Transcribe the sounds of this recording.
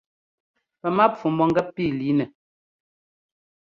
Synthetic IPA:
pɛ˨ma˦p͡fu˨mɔ˦˨ŋ̩˦ɡɛ˦ppiː˦˨li˨˦nɛ˨

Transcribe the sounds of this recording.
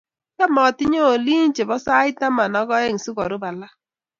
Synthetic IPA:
ka˦mɔ˨tɪ˦ɲo˦˨li˦n̩˦t͡ʃe˨bɔ˦sa˦ɪ˦ta˦ma˨nɔ˦ɡɔ˦e˦ŋ̩˨su˦ɡɔ˨ɾʊ˦ba˨la˦

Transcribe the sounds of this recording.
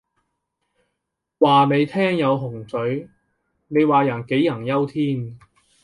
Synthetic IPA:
waː˨ne˨˧jt̪ʰɛː˥ŋjɐ˨˧wɦʊ˨˩ŋsɵ˨˥ɥ | ne˨˧jwaː˨˩jɐ˨˩nke˨˥jːɐ˨˩ŋjɐ˥wt̪ʰiː˥n

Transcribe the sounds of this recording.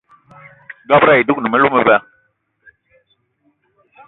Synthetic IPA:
dɔ˦bɾa˦i˨du˦k̚nə˨mɛ˦lu˦mə˦vɛ˦

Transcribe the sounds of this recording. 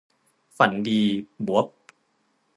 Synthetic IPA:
fa˨˩˦ndiː˧bu˨˩˦p̚

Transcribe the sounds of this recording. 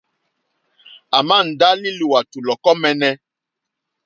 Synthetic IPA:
a˨mã˦˨n̩˨da˦li˦lu˨wa˨tu˨lɔ˨kɔ˦mɛ˨nɛ˦

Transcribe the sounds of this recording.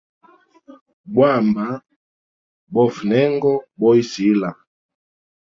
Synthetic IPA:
bwa˦˨mba˨˦ | bɔ˦fu˨nɛ˦ŋɡɔ˦bɔ˦i˦si˨˦la˨

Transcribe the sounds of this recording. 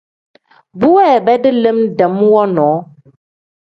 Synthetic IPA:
bu˦ɛ˦˨bɛ˦də˦lə˦mdə˨˦mwɔ˦nɔ̃ː˨˦

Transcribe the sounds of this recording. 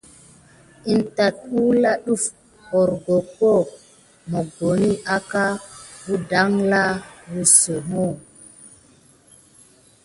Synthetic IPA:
i˨nta˨t̚u˦la˦ɗu˦f | ho˨ɾɡo˨ko˦˨ | mo˨ɡo˨ni˦ʔa˦ka˦bu˦da˦ŋla˦wu˨so˨mo˦˨

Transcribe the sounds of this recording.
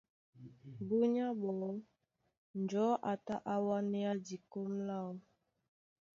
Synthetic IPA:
bu˦ɲa˦bɔ˨˦ | n̩˨d͡ʒɔ˨˦ʔa˨ta˦ʔa˦wa˦nɛ˦a˦di˨ko˦mla˦˨w

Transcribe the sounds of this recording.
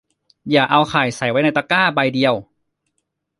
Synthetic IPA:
jaː˨˩k̚ʔa˧wxʰaː˨˩jsa˨˩˦jwa˦˥jna˧jt̪a˧kaː˥˩ba˧jdi˧əw

